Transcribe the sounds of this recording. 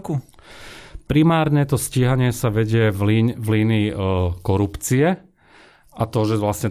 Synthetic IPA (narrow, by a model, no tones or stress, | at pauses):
ku | pɾimaːɾɲɛt̪ɔsciːɦaɲɪɛsaʋɛɟɪɛivliːnikɔɾupt͡siɛ | ʔat̪ɔʒɛʋlasɲɛ